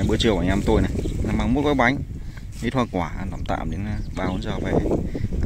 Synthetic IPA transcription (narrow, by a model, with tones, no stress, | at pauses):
a˨˩ɓɨ˧ət͡ɕɨ˨əwaː˨˩ɲaː˧mt̪o˧jna˨˩jna˨˧˩maː˨˧˩ŋmo˦˥t̚kɔ˨˦jɓa˨˦jŋ̟ | mi˦˥t̚hwa˧˩nkwaː˧˩ʔa̰˧nta˨˧˩ŋ͡mt̪a̰ː˧˨mɗe˨˦n˧ɓaː˧˩wo˨˦nzɔː˧˩va˧˩˨